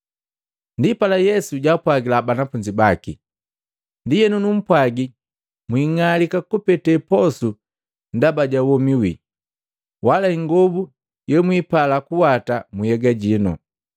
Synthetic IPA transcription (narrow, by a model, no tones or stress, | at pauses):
ndipalajɛsuɟaːpwaɡilabanafuɲd͡ʒibaki | ndijɛnunum̩pwaɡi | mwiːŋalikakupɛtɛpɔsu | ndabaɟawɔmiwḭ | walaiŋɡɔbu | jɛmwipalakuwatamujɛɡaɟinɔ̰